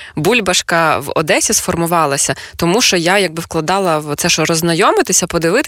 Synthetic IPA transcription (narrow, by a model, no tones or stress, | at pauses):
bulʲbɐʃkɐʋɔ̰d̪ɛsʲisfɔrmʊʋɑlˠɐsʲɐt̪ɔmuʃt͡ʃɔjajɐɡ̚bɪwklˠɐd̪ɑlˠɐʋɔt̪sɛʃɔɾɔznɐjɔmɪt̪ɪsʲɐpɔd̪ɪʋɪt̪